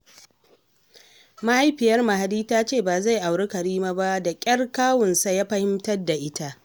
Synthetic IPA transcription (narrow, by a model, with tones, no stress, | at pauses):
ma˦ha˦jɸɪ˨jɐ˦rma˨ɦa˨diː˦taː˦t͡ʃeː˦˨baː˨za˦˨jʔa˨wɽe˦kɐ˨ɾiː˦maː˦ba˦da˨kʲʼɐ˦rkaː˦wʊ˨nsa˦jaː˦ɸɐ˦hɪ˦mtɐ˦da˨ʔɪ˦ta˦ʔ